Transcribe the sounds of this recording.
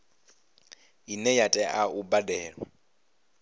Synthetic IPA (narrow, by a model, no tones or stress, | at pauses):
inɛjatʼɛʔaubadɛːɺwa̰